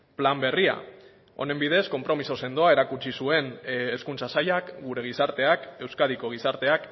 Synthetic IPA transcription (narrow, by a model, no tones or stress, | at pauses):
plambe̞ria̰ | o̞̰ne̞mbiðe̞sko̞mpɾo̞miso̞se̞nd̪oae̞ɾakut͡ʃisue̞neskunt͡sasajakɡuɾe̞ɣ̞isaɾt̪e̞ake̞wskað̞iko̞ɣ̞isaɾt̪e̞ak